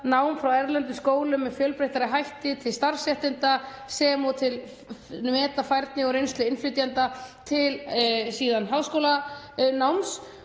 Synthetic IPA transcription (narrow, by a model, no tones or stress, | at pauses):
naːwmfɾawɛɾlɛnt̪̬ʏskoːwlʏmːɛðfjœːlpɾejht̪aɾɪɦajht̪ɪt̪ʰɪlst̪aɾ̥sjɛht̪ɪnt̪a | sɛːmɔt̪ʰɪl | nvɛːt̪afajɾt̪nɪɔɾejnst̪lʏɪnflʏt̪jant̪at̪ʰɪlsiːðanɦawskowla | nawms